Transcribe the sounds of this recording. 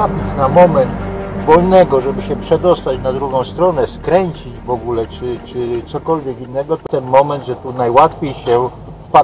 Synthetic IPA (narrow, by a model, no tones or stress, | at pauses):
apʲit͡ɕnamɔmɛnt̪vɔlnɛɡɔʐɛbɘɕɛpʂɛd̪ɔst̪at͡ɕnad̪ɾuɡɔ̃w̃st̪ɾɔnɛskɾɛɲt͡ɕid͡ʑvɔɡulɛt͡ʂɘt͡ʂɘt̪sɔkɔlvʲjɛkinːɛɡɔt̪ɔt̪ɛnmɔmɛnd̪ʐɛt̪unajwat̪fʲjejɕɛ | fpa